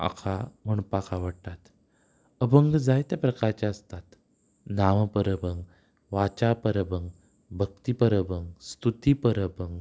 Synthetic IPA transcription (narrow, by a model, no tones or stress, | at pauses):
a̰kʰam̤əɳpakʰaʋəɽt̪at̪ | əbəŋɡd͡zajt̪japɾəkaɾt͡ɕaəst̪at̪ | naʋpəɾəbəŋɡ | ʋat͡ɕapəɾəbəŋɡ | bʱək̚t̪ipəɾəbʱəŋɡst̪ut̪ipəɾəbəŋɡ